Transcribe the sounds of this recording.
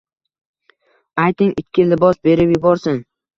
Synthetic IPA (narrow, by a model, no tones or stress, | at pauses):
ajt̪ɪŋɪt̪ʲkʲʰːɪlɪbɒsbe̞ɾɪpjɪbɒɾsɪn